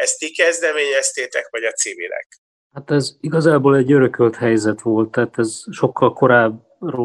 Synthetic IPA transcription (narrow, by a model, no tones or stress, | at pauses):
ɛst̪ikɛzd̪ɛmeːɲɛst̪eːt̪ɛkʋɒɟɒt̪siːmḭlɛ̰k | hat̪ɛziɡɒzaːboːlɛɟːøɾøkølt̪hɛjzɛt̪ʋo̞lt̪ːaːt̪ɛzʃo̞kʰːɒlko̞ɾaːb | ro